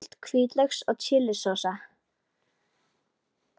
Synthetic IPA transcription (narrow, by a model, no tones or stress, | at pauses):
l̥t̪kʰviːt̪lœxsɔɣt͡ɕʰɪlːɪsɔsa